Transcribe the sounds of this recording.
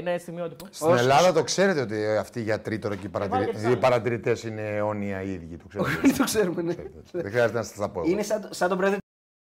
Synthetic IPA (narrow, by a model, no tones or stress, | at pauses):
nest̪iɣmiot̪ipostoinelɐðɐt̪o̞kse̞ɾe̞t̪eo̞t̪iɐft̪iʝɐt̪ɾit̪oɾoceipɐɾɐtɾipɐɾɐt̪iɾit̪esine̞o̞niɐiðʝit̪okseonit̪okseɾumeneðexɾiɐzet̪enɐsɐ̥st̪ɐpoinesɐsɐt̪opɾeði